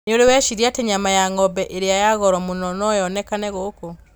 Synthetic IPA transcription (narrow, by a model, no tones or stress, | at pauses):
neoɾewɛʃiɾiateɲamajaŋɔbɛʔeɾejajaɣɔɾɔmunɔnɔjɔnɛkanɛɣoko